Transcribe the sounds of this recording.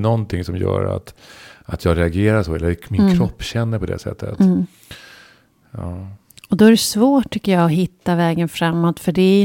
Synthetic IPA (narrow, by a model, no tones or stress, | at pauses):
nɔnt̪ʰɪŋsɔmjœ̰ːɾa̰t̪at̪ʰjɑːɡɾɛaɡeːɾaʂɔɛlːəmɪnkʰɾɔpːɕɛnːəɾpʰɔd̪ɛ̰sɛ̰t̪ʰːə̰t̪ | ɑː | ɔd̪ɔæɾɛsvoːʈʰːʏkːəjɑːɔɦɪt̪ːavɛːɡənfɾamːɔt̪fœɖɛ